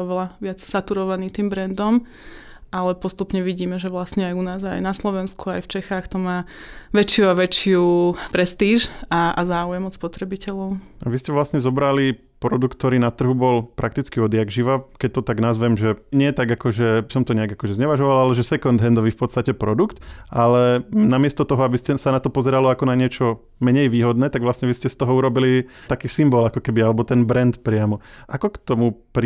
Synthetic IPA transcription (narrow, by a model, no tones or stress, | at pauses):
ɔʋɛlaʋɪat͡ssat̪uɾɔʋaniːt̪iːmbɾɛnd̪ɔm | alɛpɔst̪upɲɛʋiɟiːmɛʒɛʋlasɲɛajunaːza̰jnaslɔʋɛnskuajft͡ʃɛxaːxt̪ɔmaːʋɛt͡ʃɪuaʋɛt͡ʃɪupɾɛst̪iːʒaa̰zaːujɛmɔt̪spɔt̪ɾɛbicɛʎɔʊʔaʋiscɛʋlasɲɛzɔbɾali | pɾɔd̪ukt̪ːɔɾiːnat̪r̩ɦubɔlpɾʔak̚t̪it͡skiɔd̪ɪjaɡʒiʋakɛc̚t̪ɔt̪aɡnazʋɛmʒɛɲɪɛt̪aɡakɔʒɛsɔmt̪ɔɲɛaɡakɔʒɛzɲɛʋaʒɔʋalalɛʒɛsɛkɔnd̪ɦɛnd̪ɔʋiːfpɔt̪st̪acɛpɾɔd̪ukt̪ʔalɛnamɪɛst̪ɔt̪ɔɦɔabiscɛsanat̪ɔpɔzɛɾalɔakɔnaɲɪɛt͡ʃɔ | mɛɲɛjʋiːɦɔd̪nɛːt̪aɡʋlasɲɛʋiscɛst̪ɔɦɔuɾɔbilit̪akiːsimbɔlakɔkɛbialɛbɔt̪ɛnbɾɛnt̪pɾɪamɔʔakɔkt̪ɔmupɾ